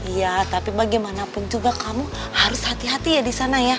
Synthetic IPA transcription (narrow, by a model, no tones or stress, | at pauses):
ijat̪apibaɡɛmanapʊnd͡ʒuɡakamu | haɾʊshat̪iɦat̪ijadisanaja